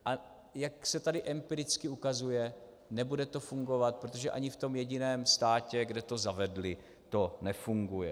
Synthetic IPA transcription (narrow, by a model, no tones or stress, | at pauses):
ʔa | jaksɛt̪adɪʔɛmpiɾɪt͡skɪukazujɛ | nɛbudɛt̪o̞fuŋɡo̞vat̪̚pɾot̪o̞ʒɛʔaɲɪft̪o̞mjɛɟɪnɛːmst̪aːcɛɡdɛt̪o̞zavɛdlɪ | t̪o̞nɛfuŋɡujɛ